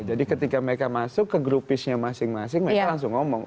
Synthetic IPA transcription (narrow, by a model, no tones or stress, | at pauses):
d͡ʒadikət̪ikaməɾekamasʊkːəɡɾupɪsɲamasɪŋmasɪŋməekkalaŋsʊŋːɔmɔŋ